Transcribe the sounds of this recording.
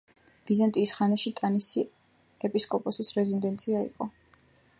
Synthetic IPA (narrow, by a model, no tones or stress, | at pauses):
b̥izant̪ʼiːsχanaʃit̪ʼanisi | ɛpʼiskʼɔpʼɔsisɾɛzind̪ɛnt̪sʰʼiaḭqʼɔ